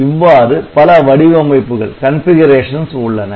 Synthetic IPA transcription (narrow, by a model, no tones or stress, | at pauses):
ɪʋːaːɾɯpɐlɐʋɐɽɪʋɐmɐɪpːɯɣɐ̰ɭkɐnfɪɣɐɾeːʂɐnsʊɭːɐnɐ